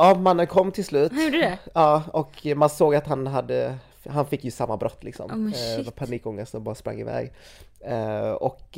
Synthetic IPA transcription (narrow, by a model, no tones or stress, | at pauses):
amanːənkʰɔmːt̪ʰɪlslʉ̟ːt̪juːɖd̪ɛɑːɔkmansoːɡat̪hanɦad̪ːə | ɦanfɪkːjɵsamːabɾʔɔt̪ːlɪksɔ̰mvapʰaniːkɔŋːəst̪sɔmbɑːɾaspɾa̰ŋːɪvɛ̰ːɡ | ɔ̰k